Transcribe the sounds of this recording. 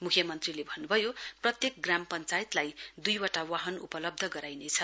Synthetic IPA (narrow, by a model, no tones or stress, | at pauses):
mukʰjʌmʌnt̪rilebʱʌnːubʱʌjoprʌt̪jek̚ɡrampʌnt͡sajit̪lajd̪ujwaʈawaɦʌnṵpʌlʌb̚d̪ʱʌɡʌɾajnet͡sʰʌ